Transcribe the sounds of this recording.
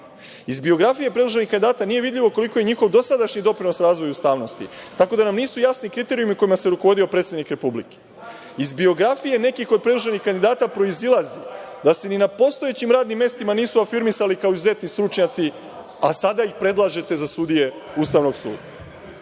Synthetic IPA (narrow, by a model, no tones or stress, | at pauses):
izbio̞ɡɾafije̞pɾed̪lˠuʒenixkand̪id̪aːt̪anije̞ʋid̪ʎʲiʋoko̞liko̞jeɲixo̞ʋd̪o̞sad̪aʃɲid̪o̞pɾinosɾaːzʋo̞just̪aːʋno̞st̪ḭt̪ako̞d̪anamniːsujasnikɾit̪e̞ɾiumiko̞imase̞ɾuko̞ʋo̞d̪iopɾeːt̪sed̪nikɾe̞publḭke̥ | izbio̞ɡɾafije̞ne̞kixo̞d̪̚pɾed̪lˠuʒenixkand̪id̪aːt̪apɾo̞izilˠazi | d̪ase̞ninapo̞st̪o̞e̞t͡ɕimɾaːd̪nimːe̞st̪imaniːsuafiɾmisalikao̞izuze̞t̪nist̪ɾut͡ʃɲat̪si | asad̪aixpɾe̞d̪lˠaʒe̞t̪e̞zasud̪ije̞ | ust̪aʋno̞ɡsṵːd̪a